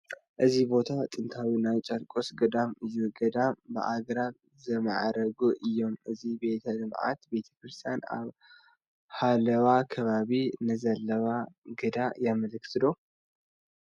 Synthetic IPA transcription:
ʔɨzibo̞t̪ʰat̪ʼɨnt̪ʰawinajt͡ʃʼɐɾkʼosɡɐd̪amɨjuɡɐd̪ambɨ̰ʔaɡɾaβ | zɨma̰ʕɾɐɡuʔɨjːo̞mɨzibe̞t̪ʰɐlɨmʕa̰t̪be̞t̪ʰɐ̥kɾɨst̪ʰijana̰β | halɐwakʰɐβaβinɨzɐlːɐwaɡɨd̪ajamɐlɨkt̪ʰɨd̪o̞

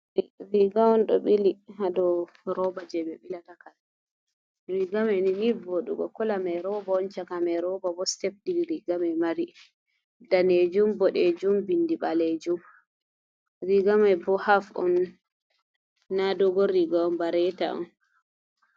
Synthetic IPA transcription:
ɾiɡawɔnɗɔ̰ɓilihadɔ | ɾɔbad͡ʒɛbɛɓilatakal | ɾiɡamaniniboɗṵɡɔkɔlamajɾɔbaɔnt͡ʃakamɛɾɔbabɔstɛf̚diliɾiɡamamaɾi | daned͡ʒumbɔɗɛd͡ʒumbindiɓaled͡ʒum | ɾiɡamajbɔhafɔ̰n | adɔɡɔɾiɡawɔnbaɾɛta̰ɔ̰n

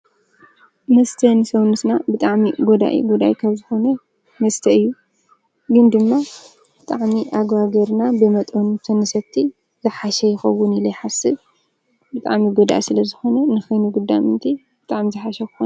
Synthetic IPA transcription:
mɐst̪ʰɐnɨsɐwnɨt̪nabɨt̪ʼaʕmiɡod̪a̰ʔḭɡud̪a̰ʔikʰaβzɨxo̞nɐ | mɐst̪ʰɐɨjːu | ɡɨnd̪ɨmːa | b̥ɨt̪ʼaʕmiʔaɡwaɡɐɾnabɨmɐt̪ʼunɨt̪ʰɐnɨsɐt̪ʰːi | zɨħaʃɐjɪxɐwːʊnilɐjħasɨβ | bɨt̪ʼaʕmiɡod̪a̰ʔisɨlɐzɨxo̞nɐnɨxɐjnuɡud̪ːamɨnt̪ʰi | b̥ɨt̪ʼaʕmizɨħaʃɐkɨxonɐ

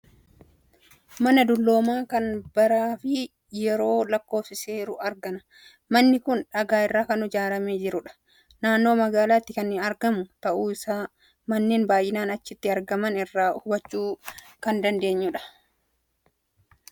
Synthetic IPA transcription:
mɐnɐd̪ʊlːo̞ːmaːkɐnbɐɾaːfɪ | jɛɾo̞ːlɐkːo̞ːfsɪse̞ːɾʊɐɾɡɐnɐ̥ | mɐnːɪkʊnᶑɐɡaːɪrːaːkɐnːʊd͡ʒaːɾɐmeːd͡ʒɪɾʊᶑɐ̥ | naːnːo̞ːmɐɡaːlaːt̪ːɪkɐnːɪɐɾɡɐmʊt̪ɐʔuːɪsaː | mɐnːeːnbaːjʔːɪnaːnɐt͡ʃːɪt̪ːɪɐɾɡɐmɐnɪrːaːhʊbɐt͡ʃːuː | kɐnd̪ɐnd̪e̞ːɲːʊᶑɐ̥

